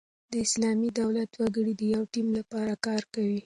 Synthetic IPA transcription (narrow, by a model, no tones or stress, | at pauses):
d̪əɪslɑmid̪awlat̪waɡəɽid̪əjawʈimlapɑɾakɑɾkawi